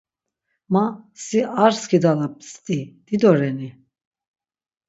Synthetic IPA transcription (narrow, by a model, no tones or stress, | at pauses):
masiʔaɾskʰid̪alap̚st̪ʼid̪̥id̪ɔɾɛni